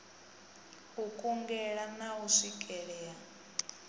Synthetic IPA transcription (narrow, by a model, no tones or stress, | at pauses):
hukʼuŋɡɛɺanauʂikʼɛɺɛːa